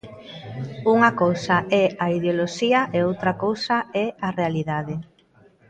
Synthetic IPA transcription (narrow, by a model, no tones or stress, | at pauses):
uŋɐkowsaʔɛaiðjoloʃiɐʔeowt̪ɾɐkowsaɛarealiðaðe